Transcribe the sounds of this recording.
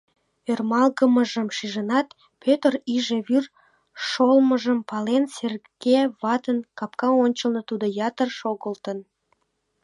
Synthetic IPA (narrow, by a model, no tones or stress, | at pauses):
ørmɑlɣəməʒəmʃiʒənɑt̪ | pʰøt̪əriʒeβyr | ʃolməʒəmpɑlenser | ɡ̥eβɑt̪ənkɑp̚kɑonʲt͡ɕəlnət̪ud̪ojɑt̪ərʃoɣəlt̪ən